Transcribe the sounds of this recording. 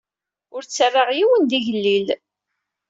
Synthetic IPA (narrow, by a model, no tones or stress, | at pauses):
ʊɾt͡sːərˤːaʁjiwənd̪iʝəlːil